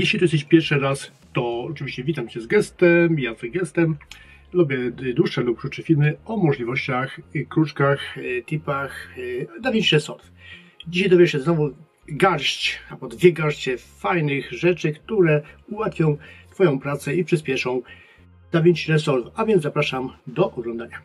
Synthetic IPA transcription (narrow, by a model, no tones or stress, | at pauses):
jɛɕlʲit̪ujɛst̪ɛɕt͡ɕpʲjɛɾʂɘɾas | t̪ɔɔt͡ʂɨvʲiɕt͡ɕɛvʲit̪amt͡ɕɛzɡɛst̪ɛmjazɡɛst̪ɛm | lubʲjɛd̪wuʂʂɛlup̚kɾutt͡ʂɛfʲilmɘɔmɔʐlʲivɔɕt͡ɕaxkɾut͡ʂkaxt̪ɘpaxd̪avʲĩt͡ɕiɾɛsɔɾf | d͡ʑiɕajd̪ɔvjɛʂɛznɔvu | ɡaɾɕt͡ɕabɔd̪vʲjɛɡaɾʂt͡ɕɛfajnɪxʐɛt͡ʂɘkt̪uɾɛuwat̪fʲjɔ̃w̃t̪fɔjɔ̃w̃pɾat̪sɛipʂɨspʲjɛʂɔ̃w̃ | d̪̥avʲjit͡ɕiɾɛsɔɾvavʲjɛndzzapɾaʂamd̪ɔʔɔɡlɔ̃nd̪aɲa